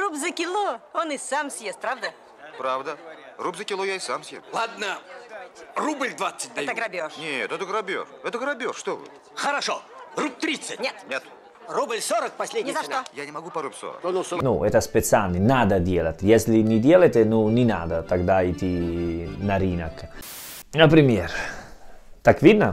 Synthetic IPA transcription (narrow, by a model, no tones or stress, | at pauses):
rupzəkʲɪlˠoonɪsamsʲjest̪̚pɾavd̪ə | pɾavd̪ərubzəkʲɪlˠojaɪsamsʲjeslˠad̪nə | rublʲd̪vat̪sːɨ̥t̚ʲd̪ɛt̪əɡɾɐbʲoʂnʲet̪ɛt̪əɡɾɐbʲo̰ʂɛt̪əɡɾɐbʲoʂʂt̪ovɨ̰t̪ | xəɾɐʂorup̚t̪ɾʲit̪sɨtʲnʲet̪nʲet̪ | rublʲsoɾək̚pɐsʲlʲedʲnʲzɐʂt̪ojanʲɪmɐɡupɐɾupʲso̰ɾə̰knnuʔɛt̪əspʲɛt̪salʲnɪnad̪ədʲelˠət̪ʲjesʲlʲɪnʲɪdʲelˠəjt̪ʲənunʲɪna̰d̪ət̪aɡd̪aɪt̪ʲinɐɾʲinək | nəpɾʲɪmʲeɾ | t̪akvʲid̪nə